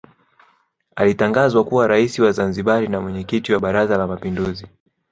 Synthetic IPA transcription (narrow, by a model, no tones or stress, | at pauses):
alitaŋɡazwakuwaɾaisiwazanziɓalinamwɛɲɛkitiwaɓaɾazalamapinduzi